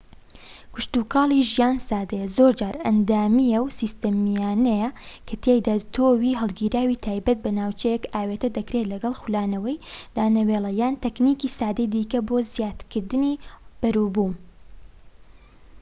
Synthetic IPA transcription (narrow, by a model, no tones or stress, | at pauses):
kʊʃt̪uːkɑːlˠiʒijaːnsaːd̪ejɐzoːɾd͡ʒaːɾɐ̰nd̪aːmijɐwsist̪ɐmijaːnɐjɐkʰɐt̪ʰeːjd̪at̪ʰoːwiːɦɐlˠɡiːɾaːwit̪ʰaːjbɐt̪̚bɐnaːwt͡ʃɛjɛkaːweːt̪ɐd̪ɐkɾet̪lɐɡɐlˠxulaːnɐwɐjd̪̥aːnɐwelˠɐjaːnt̪ɐknikisaːd̪ejd̪iːkɐboːzjaːt̪kɨɾd̪ɨnib̥ɐɾuːbuːm